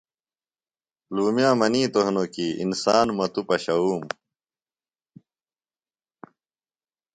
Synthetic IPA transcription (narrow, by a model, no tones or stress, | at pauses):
luːmjaːmɐniːt̪oɦnokiḭnsaːnmɐt̪upɐɕɐuːm